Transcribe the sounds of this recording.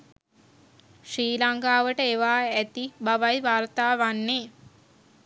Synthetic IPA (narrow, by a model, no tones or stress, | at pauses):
ʂɾiːlaŋkaːʋəʈəeʋaːæt̪ibaʋajʋaːrt̪aːʋanːeː